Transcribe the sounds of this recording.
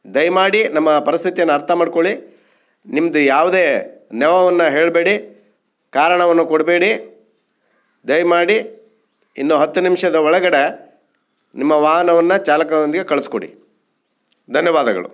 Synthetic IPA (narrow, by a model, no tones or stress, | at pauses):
d̪ɐjmaːɽinɐmːɐpɐɾist̪ʰit̪ijɐnːɐɾt̪ʰɐmaːɖkoɭi | nimɐd̪ujaːʋud̪eːnɛʋɐʋɐnːɐɦe̞ːɭbeːɽi | kaːɾɐɳɐʋɐnːukoɽbeːɽi | d̪ɐjmaːɽi | ḭnːuɦɐt̪ːunimʂɐd̪ɐɔɭɐɡɐɽe | nimːɐʋaːɦɐnɐʋɐnːɐt͡ʃaːlɐkɐond̪iɡe̞kɐɭisko̰ɭḭ | d̪ʱɐnjɐʋaːd̪ɐɡɐ̰ɭṵ